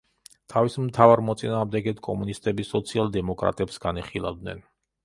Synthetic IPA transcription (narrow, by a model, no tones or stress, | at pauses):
t̪ʰavismt̪ʰavaɾmɔt̪sʼinaːʁmd̪ɛɡɛt̪ʰkʼɔmunist̪ʼɛbisɔt̪sʰialˠd̪ɛmɔkʼɾa̰t̪ʼɛpsɡaniχilˠa̰vd̪nɛ̰n